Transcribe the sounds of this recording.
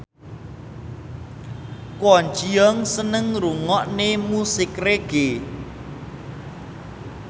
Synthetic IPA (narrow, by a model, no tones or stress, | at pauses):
kwɔɲt͡ʃiɔŋsənəŋruŋɔʔnemusɪkreɡ̥e